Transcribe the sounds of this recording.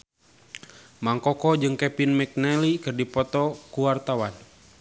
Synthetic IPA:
maŋkɔkɔd͡ʒɨŋkɛpinmɛk̚nɛlikɨrdipɔt̪ɔkuwart̪awan

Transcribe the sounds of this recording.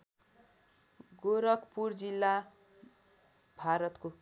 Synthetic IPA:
ɡoɾʌkpurd͡zilːa | bʱaɾʌt̪ko

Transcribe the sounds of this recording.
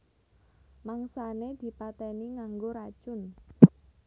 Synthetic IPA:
maŋsaned̪̥i̤pat̪ɛniŋaŋɡoɾad̥ʒ̥ʊn

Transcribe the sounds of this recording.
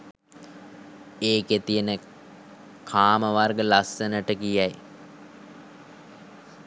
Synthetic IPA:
eːket̪ijənə | kʰaːməʋarɡəlasːənəʈəɡijæj

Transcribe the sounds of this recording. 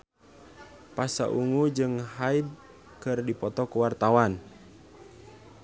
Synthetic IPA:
pasaʔuŋud͡ʒɨŋhaid̚ | kɨrdipɔt̪ɔkuwart̪awan

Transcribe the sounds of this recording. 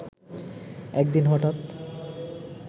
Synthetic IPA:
ɛkd̪inɦɔʈat̪

